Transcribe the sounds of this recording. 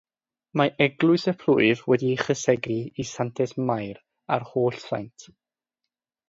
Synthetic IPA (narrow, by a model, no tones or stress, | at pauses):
maʔɛɡlˠʊɨsəpʰlʊɨvwɛdiχəsɛɡriisantʰɛsmajɾ | arhoːɬsa̰jntʰ